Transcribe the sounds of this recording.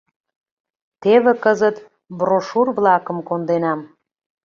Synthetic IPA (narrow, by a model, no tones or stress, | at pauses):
t̪eβĕkəzət̪ | broʃurβlɑkə̆mkond̪enɑm